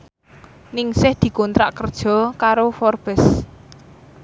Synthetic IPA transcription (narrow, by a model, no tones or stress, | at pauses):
nɪŋsɪhd̪̥i̤kɔnt̪ɾa̰ʔkərd̥ʒ̥ɔ̤kaɾofɔrb̥ɛs